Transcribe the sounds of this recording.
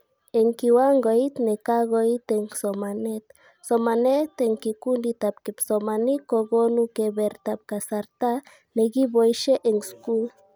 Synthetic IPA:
eŋkiwaŋɡoit̪nekaɣoit̪eŋsomanet̪ | somanet̪eŋkikund̪it̪apkepsomanikoɡonukeβeɾt̪ap̚kasaɾt̪a | neɡibojʃeʔeŋskul

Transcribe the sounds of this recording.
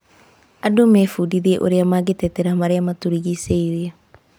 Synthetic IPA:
adomefudiðeʔoɾeamaɣetɛtɛɾamaɾeamatuɾiɣiseiɾea

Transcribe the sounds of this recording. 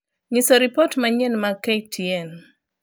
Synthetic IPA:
ɲɪsɔɾipɔtmaɲɛnmaketʰiɛn

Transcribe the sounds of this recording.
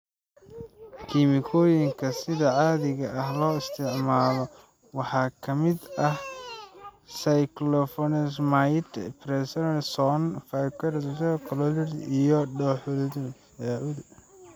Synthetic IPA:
kʰimɪkʰɔːjɪŋkʰɐsɪðɐʕɑːðɪɣɐʔɐɦlɔːɪst̪ʰɪʕmaːlɔ | wɑħɑːkʰɐmɪd̪ɐh | sɐjklɔfɔnɪsmajt̪pɾɛsɔnsɔnfakɐrstɐkʰɔlɔlɪrijɔɖɔħʊlɪd̪u | aʕʊd̪

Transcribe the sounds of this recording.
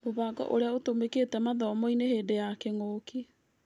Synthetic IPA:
moβaːɡɔ̰ʔoɾeaotomeketɛmaðɔmɔineheːdejakeŋoːki

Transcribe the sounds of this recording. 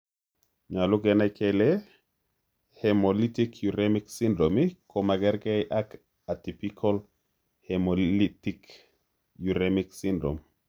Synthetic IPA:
ɲaluɡɛnakɛlɛ | hɛmolitikjuɾemiksindɾomikʰomaɡɛɾɡɛjʔak | atipikʰɔl | hɛmollitik | juɾemiksindɾo̰m

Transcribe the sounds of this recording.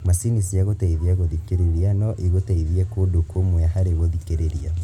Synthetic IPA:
masinisiaɣotaiðiaɣoðikeɾeɾianɔʔiɣotaiðiɛkodokomwɛhaɾeβoðikeɾeɾia

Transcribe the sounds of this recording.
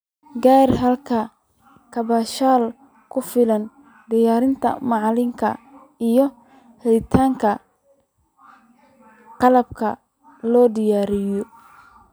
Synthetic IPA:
ɡaːrɦɐlkʰɐ | kʰɐβaʃaːl | kʰʊfɪlɐn | ɖɪjaːɾɪnt̪ʰɐ̰mɑʕlɪŋkʰɐ̰ | ijɔ | hɛɪt̪ʰaːŋkʰɐ | qɑlɐb̚kʰɐ | lɔːɖɪjaːɾɪjɔ

